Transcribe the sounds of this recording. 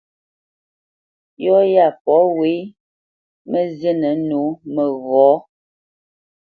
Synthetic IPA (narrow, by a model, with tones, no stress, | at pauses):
jɔ˦ja˦˨pɔ˨˦we˨˦ | mə˦zjə˦nə˨˦no˨˦mə˨ɣɔ˨˦